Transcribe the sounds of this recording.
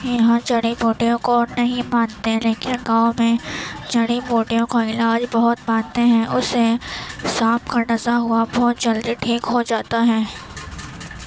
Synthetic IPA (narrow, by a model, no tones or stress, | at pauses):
jɐɦãd͡ʒɐɽiboːʈijõkoːɾnɐɦĩmãːnt̪eɦɛ̃leːkɪnɡãːmẽd͡ʒɐɽiboːʈijõkaɪlaːd͡ʒbɐɦʊt̪mãːnt̪eɦɛ̃ʔʊsːesaːpkaɖɐsaɦʊabɔːt̪d͡ʒɐld̪iʈʰiːkɦod͡ʒaːt̪aɦɛː